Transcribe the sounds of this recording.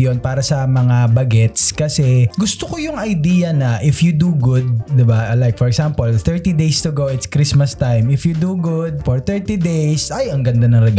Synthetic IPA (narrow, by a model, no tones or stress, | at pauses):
jonpaːɾɐsɐmɐŋabɐɡɛt̪skɐsɛɡʊst̪okojʊŋɐjd̪iːjɐnɐʔɪfjʊd̪uɡʊd̪̚ːɪbalajk̚fɔɹɛksampolθɛɹt̪id̪ejst̪uɡowɪt̪skɾismɐst̪ajmɪfjud̪uɡʊd̪̚fɔɹt̪ɛɹt̪id̪ejsɐjɐŋɡɐnd̪anɐŋɾɛɡ